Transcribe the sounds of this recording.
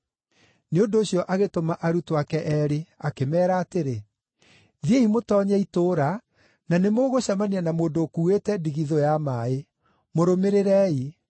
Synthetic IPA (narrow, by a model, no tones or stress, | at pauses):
neondoːɕjɔʔaɣetomaʔaɾutoakɛʔɛɾeakemɛːɾaːteɾe | ðieimotɔːɲɛitoːɾa | nanemoɣoɕamanianamoːndoːkuːetɛdiɣiðojamae | moɾomeɾeɾɛi